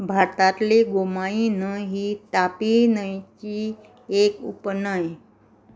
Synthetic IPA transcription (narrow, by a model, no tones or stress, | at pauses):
bʱaɾt̪at̪leɡomainəɦiːt̪apinəjt͡ɕi | ekṵpnəj